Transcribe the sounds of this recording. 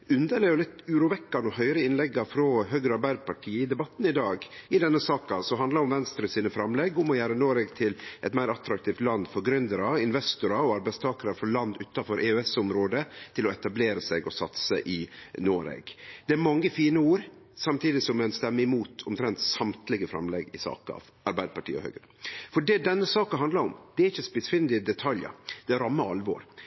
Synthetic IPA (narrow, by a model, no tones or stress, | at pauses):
ʉnd̪əleːjʊlɪt̪ːʉːɾuːʋɛkːɑnɔhœʏɾəɪnlɛɡːɑfɾɔɦøːɡɾəɑɾbæɪb̪pʰɑʈʰiːəɪd̪ɛbɑt̪ːnɪd̪ɑːɡɪd̪ɛnːəsɑːkɑsɔɦɑnd̪lɑɾʊmʋɛnst̪ɾəsiːnəfɾɑmlɛɡʊmɔjæːɾənoːɾɛɡt̪ʰɪlʔɛt̪mæɪɾɑt̪ɾɑk̚t̪ʰiːft̪lɑnd̪fɔɾɡɾʏnd̪əɾɑɪnʋɛst̪ʊɾɑɔɑɾbæɪst̪ʰɑːkəɾɑfɔɭɑnd̪ʉːt̪ɑfɔɾʔeːøɛsʊmɾoːd̪ət̪ʰɪlɔɛt̪ɑbleːɾəsɛɡɔsɑt̪səʔɪnoːɾɛ̰ɡd̪ɛæɾmɑŋːəfiːnəuːɾsɑmt̪ʰiːd̪ɪsɔmɛnst̪ɛmːəɪmuːt̪ʰɔmt̪ʰɾɛnt̪sɑmt̪lɪɡəfɾɑ̰mlɛɡɪsɑ̰ːkəɑ̰ʋ | ɑɾbæɪd̪əpʰɑʈʰiːə̰hœ̰ːɡɾə | fɔɖɛd̪ɛnːəsɑːkɑɦɑnd̪lɑɾʊ̰md̪̥ɛæɾɪçːəspɪsfɪnd̪ɪəd̪ɛt̪ʰɑljə̰d̪̥ɛɾɑmːəɑlʋo̰ːɾ